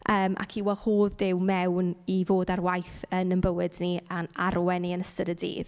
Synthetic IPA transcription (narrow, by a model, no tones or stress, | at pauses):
ʔəːmʔa̰kʰiwɛlˠhoːðdɪwmɛwnivoːdarwajθənənbəwɪdniʔanaɾwɛniənəstəɾədḭːð̥